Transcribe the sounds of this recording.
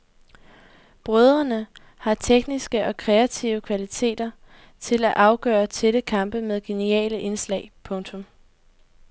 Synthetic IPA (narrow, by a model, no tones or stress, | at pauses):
b̥ʁœðˠʁɐnə | hɑ̈t͡sʰeɡ̥nisɡ̥əʔɒ̽kʰʁɛæt͡sʰiʊəkʰʋælit͡sʰe̝̰ːd̥ɐ | t͡sʰe̝læʔɑ̈ʊɡ̥œ̰ːɐt͡sʰe̝ləkʰɑ̈mb̥əmeðˠɡ̥e̝niɛ̰ːləʔe̝nslɛ̰ɪpʰɔ̽ŋt͡sʰɔ̽m